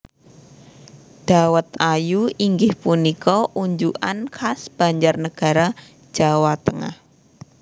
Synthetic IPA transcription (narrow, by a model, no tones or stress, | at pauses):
d̥awət̪ajuiŋɡɪhpunikɔʔuɲd͡ʒuʔa̰nkʰasb̥a̤ɲd͡ʒarnəɡ̥a̤ɾḁ | d͡ʒ̥awat̪əŋa̰h